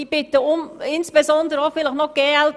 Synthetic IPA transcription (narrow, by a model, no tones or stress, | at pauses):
ib̥ɪt̪əʊmɪnsb̥ezɔnd̪əɾəɑfɪləχnɔɡ̥ɛːɛl